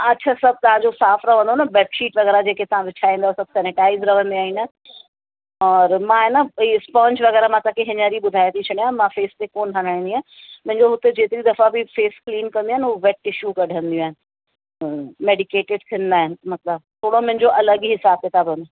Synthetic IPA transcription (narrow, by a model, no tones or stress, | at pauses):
ɐtːt͡ɕʰasɐb̚ʱt̪ɐʋ̤ãd͡ʑosaːfɾɐʋ̤ə̃nd̪onɐbɛːʈʃiːʈʋɐɣɛːɾad͡ʑeːket̪ɐʋ̤ãʋɪt͡ɕʰaːĩːnd̪asɐb̚sɛːnɪʈaːɪzɾɐʋ̤ə̃nd̪iaːɦiːna | ɔːɾmãɦenəiɪspãːnd͡ʑʋɐɣɛːɾamãt̪akʰeɦɪɲəɾiɓʊd̪ʱaːjt̪ʰit͡ɕʰɐɽ̃iaːmãfeːst̪ekoːnɦɐɽ̃aːĩnd̪iaː | mʊ̃ɦɪ̃ɲd͡ʑoɦʊt̪ed͡ʑeːt̪ɾid̪ɐfabɪfeːskliːnkɐ̃nd̪iaɦɪnɦuːʋɛʈɪʃjukɐɖʱə̃nd̪iũaːɦɪnɪ̆ | meːɖɪkeːʈɪɖt̪ʰiə̃nd̪aːɦɪnɪ̆mɐt̪ləb̚t̪ʰoːɽomʊ̃ɦɪ̃ɲd͡ʑoʔɐləɠɦɪsaːb̚ket̪ʰabənd̪a